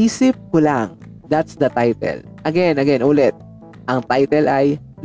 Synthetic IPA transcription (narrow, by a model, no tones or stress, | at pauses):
iːsɪp̚kʊlaŋ | d̪at̪sd̪ɐt̪ajt̪ɛ̰l | ʔɐɡɛnɐɡɛnʔuːlɛt̪̚ | ʔɐŋt̪ajt̪ɛlʔaj | n